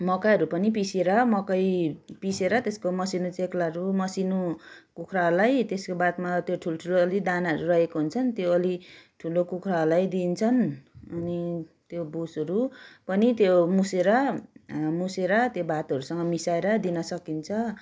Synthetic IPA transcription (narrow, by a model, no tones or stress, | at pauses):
mʌkaʌɾupʌnipiseɾʌmʌkʌjpiseɾʌt̪eskomʌsinot͡seklaɾumʌsinokukʰralajt̪eskobat̪mat̪joʈʰuloʈʰuloːlid̪anʌɾurʌɦekoɦunt͡sʰʌnt̪joʌliʈʰulokukʰraɦlajd̪int͡sʰʌnʌnit̪jobusʌɾupʌnit̪jomuseɾʌ | museɾʌt̪jobat̪ʌɾusʌŋɡʌmisaeɾʌd̪inʌsʌkint͡sʰʌ